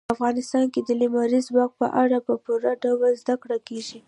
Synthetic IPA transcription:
afɣɑnɪst̪ɑnked̪əlimɑɾizbɑɡ̚pə̰ʔaɽapəpuɾaɖawalzd̪akɽakeʒi

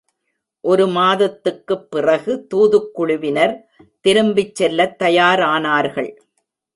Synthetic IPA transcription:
ʔɔɾɯmaːðɐt̪ːɯkːɯpːɪrɐɣɯt̪uːðɯkːʊɻʊʋɪnɐɾ | t̪ɪɾɯmbɪt͡ʃsːɛlːɐt̪ːɐjaːɾaːnaːɾɣɐɭ

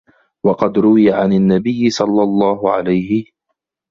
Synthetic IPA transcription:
wɑqɑd̪ɾʊwɪjaʕananːabɪjːɪsˤɑlːɑlˤːɑːɦʊʕa̰lajhɪ

